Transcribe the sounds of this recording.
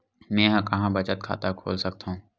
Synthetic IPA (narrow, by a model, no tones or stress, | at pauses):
mɛ̃ːɦɐ̃kɐɦãbɐt͡ʃət̪̚kʰa̰ːt̪akʰo̰ːlsɐk̚t̪aɦũː